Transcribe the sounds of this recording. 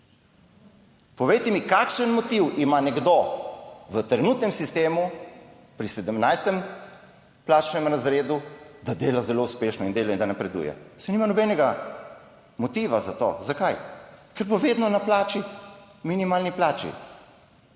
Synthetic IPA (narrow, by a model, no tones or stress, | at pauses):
pɔʋejt̪ɛmikaːkʃənmɔt̪iwimanɛɡd̪o | ʋət̪ɾɛnut̪nɛmsist̪eːmu | pɾisɛd̪əmnajst̪ɛm | plaːt͡ʃnɛmɾazɾeːd̪ud̪ad̪eːlazɛloːuspeːʃnɔind̪eːlad̪anɐpɾɛd̪ṵːjɛ̰sɛniːmanɔbɛnɛɡa | mɔt̪iːʋazat̪o̰zakajkɛɾboʋeːd̪nɔnaplaːt͡ʃi | minimaːlniplaːt͡ʃḭ